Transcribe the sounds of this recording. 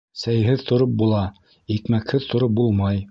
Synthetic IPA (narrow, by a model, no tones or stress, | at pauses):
sæjɦɘðt̪ʰŏɾop̚bulˠɑ | ikmækhɘðt̪ʰŏɾop̚bulˠmɑj